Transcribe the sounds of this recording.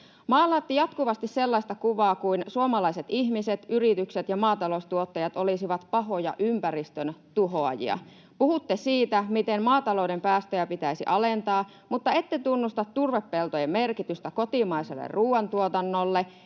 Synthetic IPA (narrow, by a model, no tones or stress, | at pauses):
mɑːlːˑɑːt̪ːijɑt̪kuʋɑst̪isselːɑist̪ɑkuʋɑːkuinsuomɑlɑiset̪ihmiset̪yrit̪ykset̪jɑmɑːt̪ɑlo̞ust̪uot̪ːɑjɑt̪olisiʋɑt̪pɑɦo̞jɑ̰ʔympærist̪ønt̪uɦoɑjḭɑ̰ | puhut̪ːesiːt̪æmit̪emmɑːt̪ɑlo̞udempæːst̪øjæpit̪æisiʔɑlent̪ɑː | mut̪ːɑe̞t̪ːet̪unːust̪ɑt̪t̪ːurʋepːelt̪ojemmerkit̪yst̪æko̞t̪imɑiselːḛrruːwɑnt̪uot̪ɑnːolːe